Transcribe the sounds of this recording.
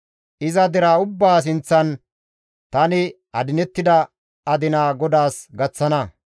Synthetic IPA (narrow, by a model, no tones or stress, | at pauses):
ʔɪzɐd̪ɪɾaʊbːaːs̬ɪnt͡sːɐn | t̪ɐnɪ | ɐd̪ɪnɛt̪ːɪd̪ɐ | ɐd̪ɪnaːɡɔd̪aːsɡɐt͡sːɐnɐ